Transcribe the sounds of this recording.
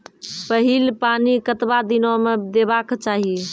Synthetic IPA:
pəɦilpanikət̪bad̪inomed̪ebakt͡ʃaɦi

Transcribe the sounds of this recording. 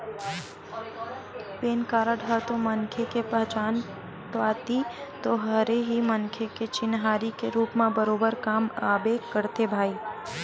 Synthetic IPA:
peːnkaːɾaɖʱət̪õmɐnkʰekepəɦt͡ʃaːn | ʈaːt̪it̪oɦɐɾeɦimənkʰeket͡ʃɪnɦaːɾikeɾuːpmẽbəɾoːbəɾkaːmaːbeːkːəɾt̪ebʱaːiː

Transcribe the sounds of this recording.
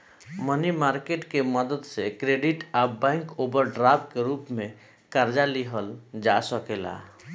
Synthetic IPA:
mənimaɾkeʈkeməd̪əd̪sekɾeɖiʈabɛ̃ŋkobəɾɖɾabkeɾupme | kəɾd͡ʒaliɦəld͡ʒasəkela̰

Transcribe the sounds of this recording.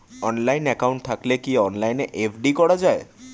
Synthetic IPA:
ɔnlajnɛkauɳʈ̚t̪ʰaklekiɔnlajneʔepʰɖikɔɽad͡ʒae

